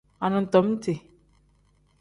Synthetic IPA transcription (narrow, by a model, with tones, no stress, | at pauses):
a˨nʊ̃˨n̩˨tɔ˨˦m̩˦te˨